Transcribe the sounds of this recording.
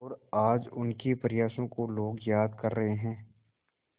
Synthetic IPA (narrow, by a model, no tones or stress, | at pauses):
ɔːɾaːd͡ʒʊnkepɾɪjaːsõkoloːɡjaːd̪kɐɾːɐɦeɦɛ̃ː